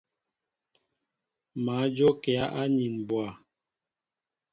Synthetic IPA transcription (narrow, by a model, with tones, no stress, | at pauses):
ma˨˦d͡ʒo˦kɛ˨a˦ʔa˦ɲi˨nbwa˨